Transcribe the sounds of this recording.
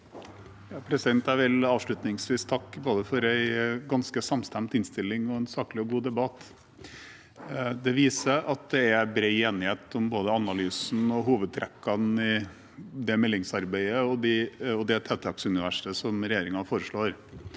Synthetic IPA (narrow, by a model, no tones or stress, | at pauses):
jɑːpʰɾɛsɪd̪ɛnt̪æʋɪlɑːʋʂɭʉt̪nɪŋsʋiːst̪ʰɑkːboːd̪əfɔɾæɪɡɑnskəsɑmst̪æmt̪ɪnst̪ɪlːɪŋɔɛnsɑːkəlɪɔɡuːd̪ɛbɑt̪ː | d̪ɛʋiːsəʔɑt̪̚d̪ɛæbɾeɪeːnɪheːt̪ʊmboːd̪əɑnɑlyːsn̩ɔɦuːʋəd̪̚t̪ʰɾɛkːɑnɪ | d̪ɛmɛlːɪŋsɑɾbæɪəɔd̪ɪɔd̪ɛt̪ʰɛt̪ʰɑksʉnɪʋæ̰ʂəsɔmɾɛjeːɾɪŋɑfoːɾəʂɭoːɾ